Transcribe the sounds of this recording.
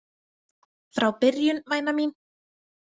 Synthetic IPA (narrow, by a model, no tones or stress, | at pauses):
ffɾawpɪɾjʏnvaːjnamin